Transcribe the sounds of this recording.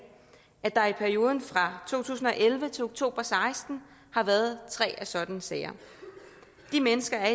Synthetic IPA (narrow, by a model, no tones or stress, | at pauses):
ʔæd̥ɑ̈ɐipʰæɐio̝ːð̞ˠn̩fʁɑ̈t͡sʰo̝̰ːt͡sʰṵːsn̩ɒ̽ʔelʋət͡sʰe̝loɡ̥t͡sʰo̝̰ːb̥ɐsɑ̈ɪsd̥n̩ | hɑ̈ʋæɐð̞ˠt͡sʰʁɛ̰ːæsɒ̽d̥ænəsɛɪɐ | d̥imenəsɡ̥ɐæɐi